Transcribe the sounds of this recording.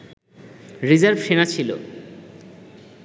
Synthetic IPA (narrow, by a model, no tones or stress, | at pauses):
ɾid͡ʑaɾbʃenat͡ɕʰilo̰